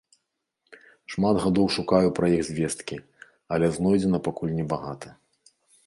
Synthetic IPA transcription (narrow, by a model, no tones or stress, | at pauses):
ʂmad̪ɣad̪ɔwʂukajupɾɐjiɣzʲvʲɛst̪kʲi | ɐlʲɛznɔjd͡zʲɛnɐpakulʲnʲɛbaɣat̪ʰɐ